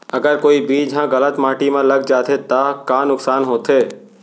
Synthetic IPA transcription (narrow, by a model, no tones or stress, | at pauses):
əɡəɾkoːibiːd͡ʒɦãɣələt̪mãːʈimãləɡd͡ʒaːt̪ʰet̪akãːnʊksaːnɦõːt̪ʰeː